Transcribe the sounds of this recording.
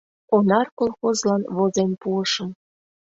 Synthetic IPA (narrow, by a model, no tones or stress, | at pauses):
onɑrkolˠxozlɑnβozenpuəʃə̆m